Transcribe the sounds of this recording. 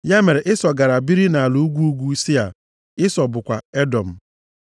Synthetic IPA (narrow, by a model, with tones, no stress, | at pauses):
ja˦me˨ɾe˨ʔɪ˦sɔ˨ɡa˨ɾa˨bi˦ɾi˦na˨a˨lu˨˦u˦ɡʷu˦u˦ɡʷu˦si˦a˨ | ɪ˦sɔ˨bʊ˨kʷa˨e˦dɔ˨m̩˨